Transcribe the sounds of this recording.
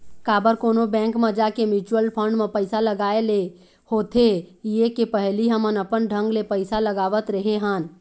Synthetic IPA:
kaːbəɾkoːnobɛ̃ːŋkmẽd͡ʒakemɪt͡ʃuwəlpʰə̃ɳɖmẽpəɪsaləɡaːele | hoːt̪ʰejekepəɦliɦəmənəpənɖʱə̃ŋɡlepəɪsaləɡaːʋət̪ɾəɦeɦən

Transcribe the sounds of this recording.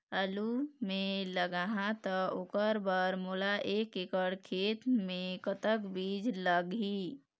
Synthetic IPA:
əlumẽləɡaɦãt̪əokəɾbəɾmolaʔeːkekəɽkʰeːt̪mẽkət̪əkbiːd͡ʒləɡi

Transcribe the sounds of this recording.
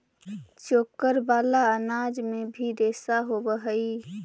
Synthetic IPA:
t͡ʃoːkəɾbaːlaənaːd͡ʒmebʱiɾeːsaɦobəɦəi

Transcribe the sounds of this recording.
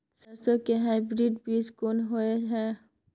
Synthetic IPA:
sɐɾsokeɦaːɪbɾiɖbʱiːskoːnɦoeɦɛː

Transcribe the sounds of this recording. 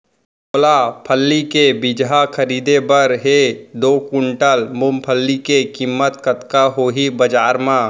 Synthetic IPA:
oːlapʰəlːikebɪd͡ʒɦakʰəɾiːd̪ebəɾɦed̪oːkʊɳʈəlmʊmpʰəlːikekimːət̪kət̪kaɦoːɦibəd͡ʒaːɾmã

